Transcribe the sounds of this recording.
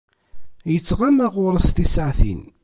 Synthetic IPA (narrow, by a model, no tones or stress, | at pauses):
jət͡sːʁamæʁʊɾˤəst̪isʕθḭn